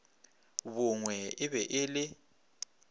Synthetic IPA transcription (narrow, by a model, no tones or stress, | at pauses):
βʊŋwɛɪβɛʔɪlɪ